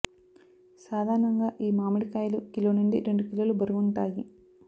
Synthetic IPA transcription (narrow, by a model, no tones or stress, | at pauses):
saːd̪ʱaːɾɐɳɐŋɡaːʔiːmaːmiɽikaːjlukiloːneɳɖiɾe̞ɳɖukilːɐlubɐɾuɡuɳʈaːji